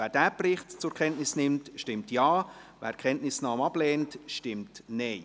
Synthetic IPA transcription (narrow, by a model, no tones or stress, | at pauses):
æːɾd̥æːbrɪχtt͡sʊɾkʰɛntnɪsnɪmtʃtɪmtjɑːvæ̰ːɾkʰɛntnɪsnɑːmɑblɛːntʃtɪmtneː